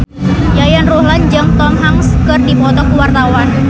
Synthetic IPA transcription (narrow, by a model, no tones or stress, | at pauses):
jajanrohland͡ʒaŋt̪ɔŋɦaŋskərdipɔt̪ɔkuwart̪awan